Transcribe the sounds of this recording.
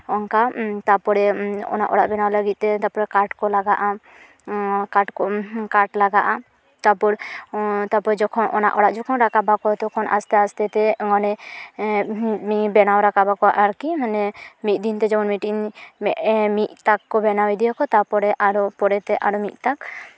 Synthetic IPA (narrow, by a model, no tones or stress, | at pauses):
ɔŋkat̪apɔɽɛɔ̰naʔɔɽaʔbɛnawləɡit̪̚ˀt̪ɛt̪apɔɾɛkaʈkɔlaɡaʔa | kaʈkɔkaʈlaɡaʔa | t̪apɔɽɛt̪apɔɾɛd͡ʒɔkʰɔnʔɔ̰na̰ʔɔɽaʔd͡ʒɔkʰɔnɾakabakɔt̪ɔkʰɔnʔa̰st̪ɛast̪ɛt̪ɛŋɔnɛ | mibɛnawɾakabakɔaʔaɾkimanɛmit̪̚d̪int̪ɛd͡ʒɔmɔnmiʈinmɛʔmit̪̚t̪akːɔbɛnawid̪ijɔkɔt̪apɔɽɛʔaɾɔpɔɽɛt̪ɛʔaɾɔmit̪̚t̪ak